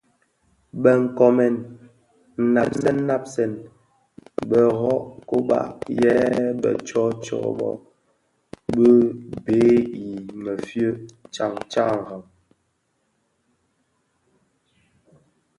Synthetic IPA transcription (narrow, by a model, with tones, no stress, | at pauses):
bə˨ŋ̩˨kɔ˨mɛ˨n | n̩˨na˨p̚sɛ˦n˦na˦p̚sɛ˨n | bə˨ɣɔ˦ʔko˦ɓa̰˦˨ʔjɛ˦ɓə̰˨t͡ʃɔ˦t͡ʃɔ̰˦˨ɓɔ̰˦˨ | bə˦beː˦i˨mə˨fjə˦t͡ʃa˨ŋt͡ʃa˦˨ha˨ŋ